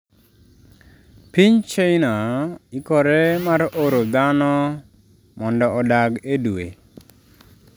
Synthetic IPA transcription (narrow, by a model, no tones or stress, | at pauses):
piɲt͡ʃejnaikɔɾɛmaɾʔoɾod̪anɔ | mɔndɔɔdaɡeduḛ